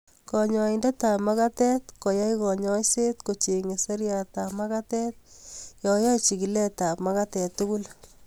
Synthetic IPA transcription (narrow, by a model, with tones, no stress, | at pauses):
kɔ˨ɲɔ˨i˨ndɛ˦ta˨ma˦ka˦tɛ˦t̪ko˨ja˦jkɔ˨ɲɔ˦jse˦t̪ko˨t͡ʃe˨ŋe˨se˦ɾja˨ta˨ma˦ka˦tɛ˦t̚jɔ˨ja˦t͡ʃi˨ki˨lɛ˦ta˨pmaka˦tɛ˨t̪ːu˦ɡu˦l